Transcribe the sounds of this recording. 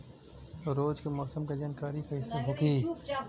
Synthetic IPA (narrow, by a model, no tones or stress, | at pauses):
t̪oɾoːd͡ʒkemɔːsəmked͡ʒaːnkaːɾikaɦɪsːaɦoːkiː